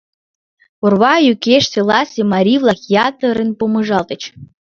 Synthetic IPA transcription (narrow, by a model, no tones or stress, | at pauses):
orβɑjykeʃselˠɑsʲemɑɾʲivlˠɑxjɑt̪əɾenpomɤʒɑlt̪ə̆t͡ɕ